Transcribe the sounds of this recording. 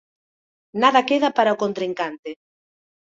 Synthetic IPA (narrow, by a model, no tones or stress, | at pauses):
naðakeðapaɾaokont̪ɾiŋkant̪ɪ